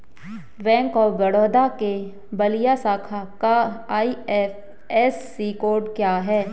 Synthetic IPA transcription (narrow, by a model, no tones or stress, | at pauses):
ʋɛ̃ːŋkɔːʋɐɽɔːd̪ake | bɐlijasaːkʰakaːi | ɛːsːiːkoːɾɖkjaːɦɛː